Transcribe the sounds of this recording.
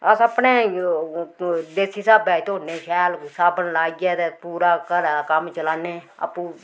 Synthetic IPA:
əsəpneː | d̪eːsiːsaːbɛːt̪onẽːʃɛːlsaːbənlaːiɡɛːt̪epuːɾaːkəɾakəmt͡ʃəlaːneːə̰pũː

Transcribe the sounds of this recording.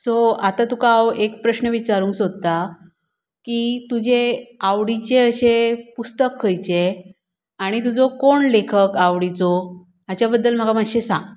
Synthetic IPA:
soat̪at̪ukawekpɾəɕnəʋit͡ɕaɾũːŋksod̪̚t̪a | kit̪ud͡ʑʱeaʋɽit͡ɕeəɕepust̪əkʰːəjt͡ɕe | aɽ̃it̪ud͡zɔkoɳlekʰəkaʋɽit͡sɔ | at͡ɕabəd̪ːəlm̤əɡamaɕesã̰ŋ

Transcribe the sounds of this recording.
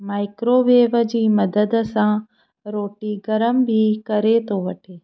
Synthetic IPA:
maːɪkɾoːʋeːʋəd͡ʑiːmɐd̪əd̪sã | ɾoːʈiɡɐɾəmbʱikɐɾet̪ʰoʋɐʈʰeː

